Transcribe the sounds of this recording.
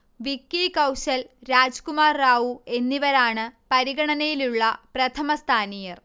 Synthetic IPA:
ʋikːikɐwɕɐlɾaːd͡ʑkumaːrːaːʋue̞nːiʋɐɾaːɳɨpɐɾiɣɐɳɐnɐjiluɭːɐprɐt̪ʰɐmɐst̪ʰaːnijɐr

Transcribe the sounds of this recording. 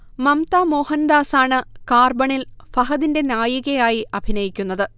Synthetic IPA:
mɐmt̪aːmo̞ːhɐnd̪aːsaːɳɨkaːrbɐɳilfɐɦɐðinde̞naːjiɣɐjaːjiʔɐbʱinɐjikʲːunːɐðɨ

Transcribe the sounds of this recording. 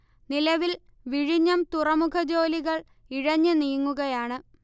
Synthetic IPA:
nilɐʋil | ʋiɻiɲːɐmt̪urɐmukʰɐd͡ʑo̞ːliɣɐɭ | iɻɐɲːɨniːŋːuɣɐjaːɳɨ

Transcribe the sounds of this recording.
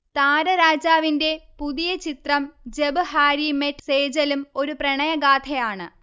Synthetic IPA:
t̪aːɾɐɾaːd͡ʑaːʋinde̞puðijɐt͡ɕit̪rɐmd͡ʑebɨhaːɾimetseːd͡ʑɐlumo̞ɾuprɐɳɐjɐɡaːt̪ʰɐjaːɳɨ

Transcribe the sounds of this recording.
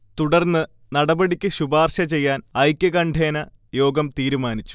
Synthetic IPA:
t̪uɽɐrnːɨ | nɐɽɐbɐɽikʲːɨɕubaːrɕɐt͡ɕe̞jːaːnɐjkʲːɐɡɐɳɖʰʱeːnɐ | jo̞ːɡɐmt̪iːɾumaːnit͡ɕːu̥

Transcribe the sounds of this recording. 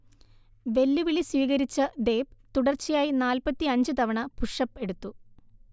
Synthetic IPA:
ʋe̞lːuʋiɭiswiːɣɐɾit͡ɕːɐd̪e̞ːpt̪uɽɐrt͡ɕːijaːjinaːlpɐt̪ːiɐɲd͡ʑɨt̪ɐʋɐɳɐpuʂɐpːe̞ɽut̪ːu

